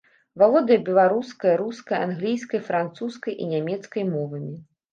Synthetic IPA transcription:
valˠɔd̪ɐjɐbʲɛlˠaɾuskɐjɐɾuskɐja̰nɣlʲijskɐjfɾant̪suskɐjʔḭnʲamʲɛt̪skɐjmɔvɐmʲi

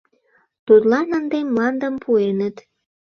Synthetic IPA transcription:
t̪ut̪lɑnənd̪emlɑnd̪əmpʰuenət̪

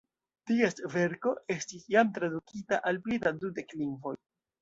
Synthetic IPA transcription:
tie̞stve̞ɾko̞e̞stisjamtɾadukʰitaʔalplidadude̞kliŋvo̞j

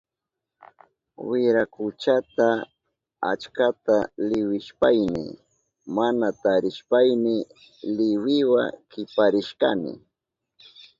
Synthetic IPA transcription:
wɪɾakʊt͡ʃat̪a | a̰t͡ʃkat̪alɪwɪʃpajnɪ̰ | manat̪aɾɪʃpajnɪ | lɪwɪwa̰kɪpaɾɪʃkanɪ̰

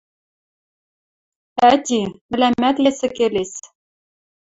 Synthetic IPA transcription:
æt̪ʲimɘ̆læmːæt̪jesɘ̆keles

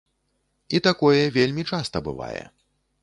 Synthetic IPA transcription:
it̪akɔjɛvʲelʲmʲit͡ʂast̪ɐbɨ̰va̰jɛ̰

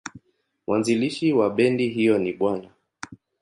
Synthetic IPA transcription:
mwʔanziliʃiwaɓɛndiɦijɔniɓwana

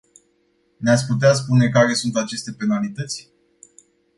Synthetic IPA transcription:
neat̪sʲput̪eas̬pune̞kaɾe̞sunt̪at͡ʃe̞st̪e̞pe̞nalit̪ət̪sʲ

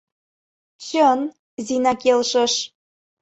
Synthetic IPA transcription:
t͡ɕən | zinɑkelʃə̆ʃ

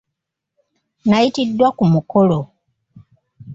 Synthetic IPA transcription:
najitidːwakumuko̞lo

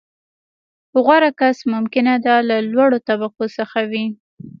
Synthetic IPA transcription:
hʊɣwaɾakasmʊmkɪnad̪alalwaɽot̪abaqosəxawi

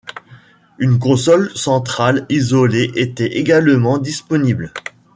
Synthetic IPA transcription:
ynkɔ̃sɔlsɑ̃t̪χalizɔleʔet̪ɛʔeɡalmɑ̃d̪ispɔnibl

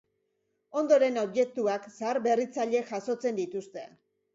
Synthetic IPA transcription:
o̞nd̪o̞ɾe̞no̞βje̞k̚t̪uaksaaɾbe̞rit͡saʎe̞ʝaso̞t͡se̞nd̪it̪ust̪e̞

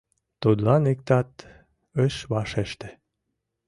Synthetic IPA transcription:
t̪ud̪lɑnek̚t̪ɑt̪ | əʃβɑʃeʃt̪ĕ̥

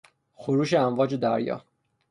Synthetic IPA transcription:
xoɾuːʃeæmvɒːd͡ʒed̪æɾjɒ̰ː

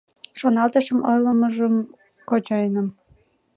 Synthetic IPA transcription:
ʃonɑlt̪ɤ̆ʃə̆mojlɤ̆mɤ̆ʒə̆m | kot͡ɕɑjnə̆m

